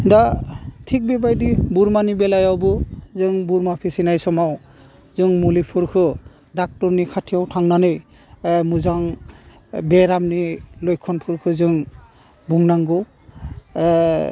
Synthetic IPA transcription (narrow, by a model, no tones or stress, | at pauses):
datʰik̚bɛbajdibuɾmanibɛlajawbɯzɯŋbuɾmapʰisinajsɔmaw | zɯŋmulipʰɯɾkʰɯ | dak̚tɔɾnikʰatʰijawtʰaŋnanɯj | muzaŋ | bɛɾamnilɔjkʰɔnpʰɯɾkʰɯzɯŋ | buŋnaŋɡɔw